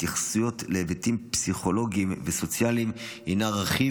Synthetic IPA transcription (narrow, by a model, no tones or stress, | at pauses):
tiχsujo̞tleːvetimpsiχo̞lo̞ɡimveso̞t͡sjalimhinaʁaχi